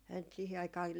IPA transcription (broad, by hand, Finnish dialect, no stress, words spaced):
ænt sihi ɑikɑː